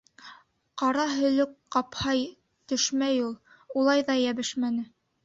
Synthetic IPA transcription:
qɑɾɑɦɵ̆lɵkqɑphɑj | t̪ɵ̆ʃmæjulˠ | ulˠɑjðɑjæβɘʃmænɘ

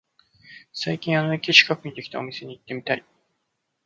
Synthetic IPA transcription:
saikʲĩɰ̃anoikʲit͡ɕi̥kakɯ̟ɲ̟id̪e̞kʲi̥t̪ao̞mʲise̞ɲ̟iit̪ːe̞mʲit̪ai

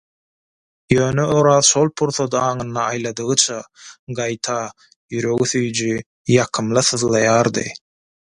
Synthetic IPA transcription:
jø̞ːnøoɾɑːðʃo̞lˠpʰuɾθod̪ɑːŋɯnːɑːjlˠɑd̪ɯɣɯt͡ʃʰɑɢɑjt̪ʰɑ | jyɾø̞ɣyθyjd͡ʒy | jɑqʰɯmlˠɯθɯðlˠɑjɑːɾd̪ɯ̰

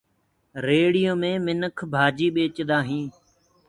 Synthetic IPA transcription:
ɾeːɽijoːmẽːmɪnəkʰbʱaːd͡ʒiːɓeːt͡ʃd̪aːɦĩː

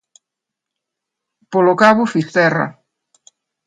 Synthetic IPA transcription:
polokaβʊfist̪ɛra̰

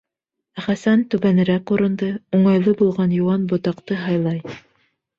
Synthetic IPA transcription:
χæsænt̪ʉβænɘ̆ɾækuɾɤ̆nd̪ɤuɴɑjlˠɤbulˠʁɑnjuwɑnbŏt̪ɑqt̪ɤɦɑjlˠɑj

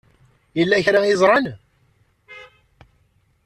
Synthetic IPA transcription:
jəlːæçɾaizˤɾˤɑn

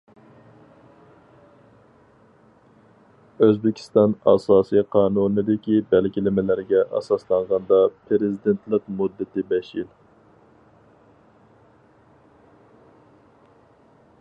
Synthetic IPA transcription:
øzbɪkʲʰi̥st̪ɑnɑ̰sɑːsijqʰɑːnunɨd̪ɪkʲibælɡʲilɪmɪlæɾɡʲɛʔɑ̰sɑslˠɑɴʁɑnd̪ɑpʰɾɪzɪd̪ent̪ʰlˠɨqmud̪ːɨt̪ɪbɛʃil

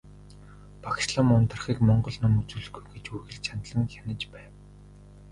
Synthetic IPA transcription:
pʰakʲsɮɔmʊnt̪ə̆rχiːkmɔɴɢɞ̆ɮnʊmut͡suːɮɵ̆xɡujɡet͡ɕurɣɘ̆ɮt͡ɕʰant̪ɮə̆ŋxʲanə̆t͡ɕpæːw

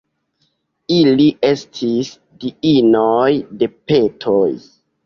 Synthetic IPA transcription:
iliʔe̞stʰis | diinojde̞pe̞tʰoj

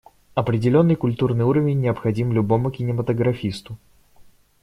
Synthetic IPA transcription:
ɐpɾʲɪdʲɪlʲo̞nːɨjkʊlʲt̪urnɨjuɾəvʲɪnʲːɪəpxɐdʲimlʲʊbo̞mʊkʲɪnʲɪmət̪əɡɾɐfʲist̪ʊ

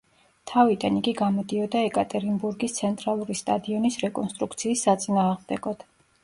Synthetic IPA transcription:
t̪ʰavid̪aniɡiɡamɔd̪iɔd̪aɛkʼat̪ʼɛɾimbuɾɡist̪sʰɛnt̪ʼɾalˠuɾist̪ʼad̪iɔnisɾɛkʼɔnst̪ʼɾukʰt̪sʰiːsːat̪sʼinaːʁmd̪ɛɡɔd̪̥

